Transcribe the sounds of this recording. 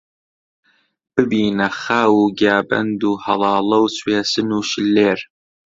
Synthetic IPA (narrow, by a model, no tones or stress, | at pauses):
b̥ɨbiːnɐχaːwuːɡaːbɐ̰nd̪uːhɐlˠɑːlˠɐwsweːsɨnuːʃɪlːeːɾ